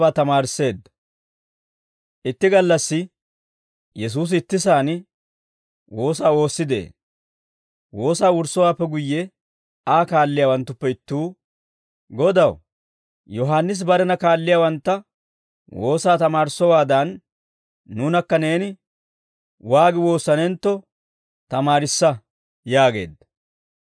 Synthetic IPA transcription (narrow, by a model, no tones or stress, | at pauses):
aːt̪ɐmaːɾsːe̞ːd̪ɐ | ʔɪt̪ːɪɡɐlːɐsːɪ | jɛs̬uːs̬ɪt̪ːɪsaːn | wo̞ːsaːo̞ːsːɪd̪ḛː | wo̞ːsaːʊɾsːɔwaːpːɛɡʊjːɛ | aːkaːlːɪjaːwɐnt̪ːʊpːɛɪt̪ːuː | ɡɔd̪ɐw | jɔɦanːɪs̬bɐɾɛnɐkaːlːɪjaːwɐnt̪ːɐ | wo̞ːsaːt̪ɐmaːɾɪsːɔwaːd̪ɐnː | uːnɐkːɐne̞ːnɪ | waːɡɪwo̞ːsːɐnɛnt̪ːɔ | t̪ɐmaːɾɪsːɐ | jaːɡe̞̰ːd̪ːɐ̥